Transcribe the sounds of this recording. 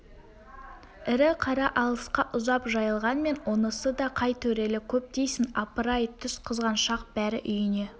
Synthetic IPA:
ɪɾɪqʰɑɾɑʔɑlˠəsqɑʔʊzɑpʒɑjəlˠʁɑnme̞nonəsəd̪ɑqʰɑjt̪ʰɵɾe̞lɪkʲʰɵp̚t̪ejsɪnɑpəɾɑjt̪ʰʏsqʰəzʁɑnʃɑq̚b̥æɾɪ̰ʔʏjɪne

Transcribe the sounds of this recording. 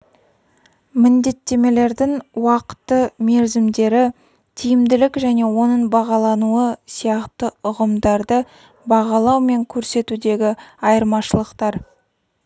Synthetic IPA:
mɪnd̪e̞t̪ːe̞me̞le̞ɾd̪ɪŋwɑqə̥t̪ːəme̞ɾzɪmd̪e̞ɾɪ | t̪ʰijɪmd̪ɪlɪkʒæne̞wo̞nəɴbɑʁɑlˠɑnuəsijɑqt̪əʊʁəmd̪ɑɾd̪ə | bɑʁɑlˠɑwme̞ŋkʲʰɵɾse̞t̪ud̪e̞ɡʲɪɑjəɾmɑʃəlˠəqt̪ɑɾ

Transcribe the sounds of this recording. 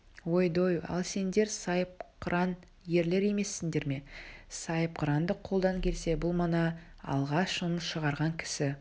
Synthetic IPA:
wo̞jd̪ojɑ̰lˠse̞nd̪e̞ɾsɑjəp̚qʰɾɑn | je̞ɾle̞ɾe̞me̞sːɪnd̪e̞ɾme̞sɑjəpqʰʊɾɑnd̪əqʰo̞lˠd̪ɑŋkʲʰe̞lse̞bʊlˠmɑnɑ | ɑ̰lˠʁɑʃʊnəsʃəʁɑɾʁɑŋkʲʰɪ̥sɪ

